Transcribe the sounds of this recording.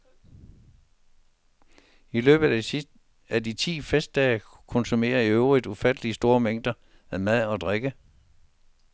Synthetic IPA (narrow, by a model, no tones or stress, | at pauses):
ilø̰ːb̥ð̩ˠæ | ædit͡sʰḭːfesd̥ɛ̰ːkʰɔ̽nsume̝̰ːɐiøʊʁid̥ufæd̥əliəsd̥o̝ːɐmeŋ̰d̥ɐ | æmæð̰ˠɒ̽d̥ʁeɡ̥ə